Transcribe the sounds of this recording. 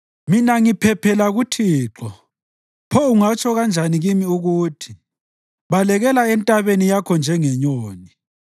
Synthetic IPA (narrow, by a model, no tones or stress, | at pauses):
minaŋipʰɛpʰɛlaɣutʰiːǁɔ | pʰɔuŋat͡ʃʰɔɣand͡ʒʱaniɣimiuɣuːtʰi | βalɛɣɛlaɛntʼaβenijakʰɔnd͡ʒʱɛŋɛɲoːni